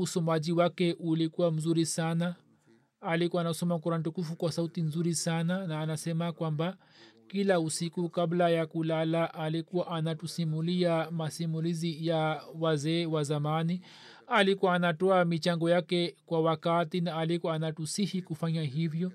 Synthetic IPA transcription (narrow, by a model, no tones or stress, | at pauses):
usɔmaʄiwakɛʔulikuwam̩zuɾisanaː | likuwanasɔmakuɾan̩tukufukwasautinzuɾisananaːnasɛmakwamba | kilausikukablajakulalaʔalikuwaʔanatusimuliamasimulizijawazɛːwazamani | alikuaːnatɔamit͡ʃaŋɡɔjakɛkwawakatinaːlikɔanatusihikufaɲaɦivjɔ